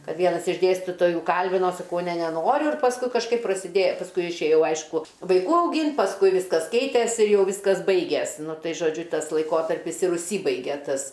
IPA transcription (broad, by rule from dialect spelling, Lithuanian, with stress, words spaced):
ˈkɐt ˈʋʲiɛnɐs ɪʃ ˈdʲeːsʲtʲiːtoːjuː ˈkɐlʲbʲɪnoː sɐˈkɐʊ nʲɛ nʲɛˈnoːrʲʊ ɪr pɐsˈkʊɪ kɐʃˈkɐɪp prɐsʲɪˈdʲeː pɐsˈkʊɪ ɪʃʲeːˈjɛʊ ˈɐɪʃkʊ ʋɐɪˈkuː ɐʊˈɡʲiːnt pɐsˈkʊɪ ˈʋʲɪskɐs ˈkʲɛɪtʲeːs ɪr ˈjɛʊ ˈʋʲiːskɐs ˈbɐɪɡʲɛs ˈnʊ ˈtɐɪ ʒoːˈd͡ʒʲʊ ˈtɐs lˠɐɪˈkoːtɐrʲpʲɪs ɪr ʊʃʲˈsʲiːbɐɪɡʲeː ˈtɐs